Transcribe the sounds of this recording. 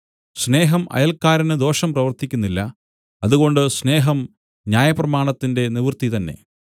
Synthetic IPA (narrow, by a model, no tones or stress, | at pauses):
sne̞ːɦɐmʔɐ̰jɐlkːaːɾɐnɨd̪o̞ːʂɐmprɐʋɐrt̪ikʲːunːilːɐ | ɐðuɣo̞ɳɖɨsne̞ːɦɐm | njaːjɐprɐmaːɳɐt̪ːinde̞niʋrt̪it̪ɐnːe̞̰